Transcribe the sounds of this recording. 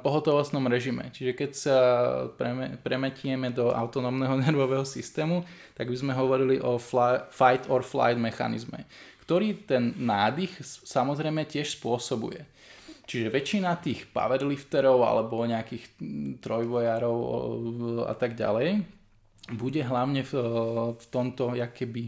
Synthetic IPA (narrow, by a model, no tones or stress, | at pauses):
pɔɦɔt̪ɔʋɔst̪nɔmɾɛʒimɛ̰t͡ʃiʒɛkɛcsapɛɛpɾɛmɛcɪɛmɛd̪ɔʔa̰ʊt̪ɔnɔːmnɛɦɔnɛɾʋɔʋɛɦɔsist̪ɛːmut̪aɡbizmɛɦɔʋɔɾiliʔɔffajt̪ɔɾfla̰jd̪mɛxa̰nḭzmɛ̰kt̪ɔɾiːt̪ɛnːaːd̪ixsamɔzɾɛjmɛcɪɛʃspʊɔsɔbṵjɛ̰ | t͡ʃiʒɛʋɛt͡ʃinat̪iːxpa̰ʋɛɾlift̪ɛɾɔʊa̰lɛbɔɲɛakiːxt̪ɾɔjʋɔjaːɾɔʊ | a̰t̪aɡɟa̰lɛj | buɟɛɦlaʊɲɛfft̪ɔmt̪ɔjakɛbi